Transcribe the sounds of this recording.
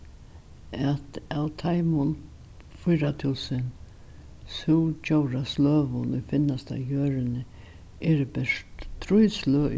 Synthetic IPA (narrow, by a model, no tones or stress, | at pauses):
ɛt̪awt̪ʰajmʊn | fʊjɾat̪ʰɪlsɪn | shuwt͡ʃowɾaslœːvʊnʊjfɪnast̪a̰jœːɾɪnɪ | ɛɾbɛʂt̪t̪ʰːɾʊjslʊ